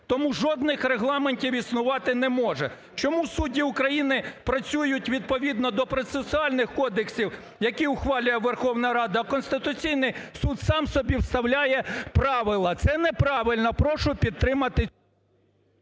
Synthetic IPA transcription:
t̪ɔmuʒɔd̪nɪxɾeɦlˠɑmenʲtʲiwisnʊʋɑt̪ɪnɛmɔʒɛ̰ | t͡ʃɔmusudʲiʊkɾɐjinɪpɾɐt͡sʲujʊtʲʋʲid̪̚pɔʋʲid̪nɔd̪ɔpɾɔt̪sesʊɑlʲnɪxkɔd̪eksʲiw | jɐkʲiʊxʋɑlʲʊjɛʋerxɔwnɐɾɑd̪ɐːkɔnst̪ɪt̪ʊt͡sʲijnɪjsud̪sɑmsɔbʲiwst̪ɐwlʲajɛpɾɑʋɪlˠɐt̪sɛnɛpɾɑʋɪlʲnɐpɾɔʃʊpʲid̪ːɾɪmɐt̪ɪ

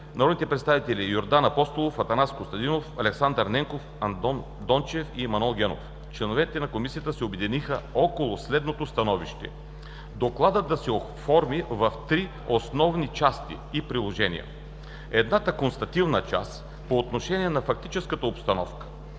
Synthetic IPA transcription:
nɐɾɔd̪nit̪ɛpɾɛt̪st̪avit̪ɛlijoɾd̪anɐpɔst̪olˠofɐt̪ɐnaskost̪ɐd̪inofɐlɛksand̪əɾnɛŋkof | ɐnn | d̪ɔnt͡ʃɛfiːmɐnɛlˠɡʲɛno̰f | t͡ʃlɛnovɛt̪ɛnɐkomisijət̪əsɛobɛd̪inixəɔkolˠʊslɛd̪not̪ost̪ɐnɔviʃt̪ɛ̰ | d̪oklˠad̪əd̪ɐsɛo | fɔɾmivɐft̪ɾi | osnɔvnit͡ʃast̪ḭːpɾilˠoʒɛnʲḭjə̰ | ɛd̪nat̪əkonst̪ɐt̪ivnət͡ʃa̰s | poːt̪noʃɛnʲiɛnɐfɐk̚t̪it͡ʃɛskət̪əopst̪ɐnɔfkə̥

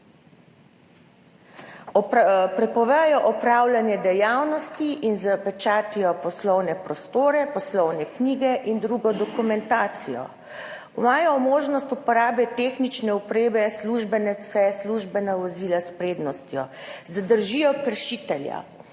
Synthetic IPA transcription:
ɔpɾɛpɔʋɛjɔʔɔpɾawlanjɛd̪ɛjawnɔst̪iʔinzəpɛt͡ʃaːt̪ijɔpɔslɔwnɛpɾɔst̪oːɾɛpɔslɔwnɛkniːɡɛʔind̪ɾuɡɔd̪ɔkumɛnt̪aːt̪sijɔ̰ | maːjɔmoːʒnɔst̪upɔɾaːbɛt̪eːxnit͡ʃnɛupɾeːbɛsluʒbɛnɛsɛsluʒbɛnaʋɔziːlaspɾeːd̪nɔst̪jɔzad̪əɾʒijɔkəɾʃit̪ɛlja̰

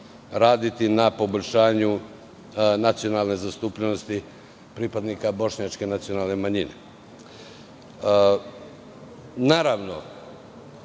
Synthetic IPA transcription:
ɾaːd̪it̪inapo̞boʎʲʃaːɲu | nat̪sijo̞nalne̞zast̪upʎeno̞st̪i | pɾipad̪nikabo̞ʃɲat͡ʃke̞nat̪sijo̞naːlˠne̞maɲinḛ | naːɾaʋno̞̰

